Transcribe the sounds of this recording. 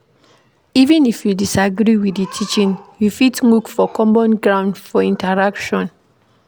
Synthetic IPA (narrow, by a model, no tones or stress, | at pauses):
ivɛ̃nifjudisaɡɾiwiθitʰit͡ʃĩnjufitwukfɔkɔ̃mbɔ̃nɡɹãʊ̃ndfɔĩntaɹakʃɔ̃n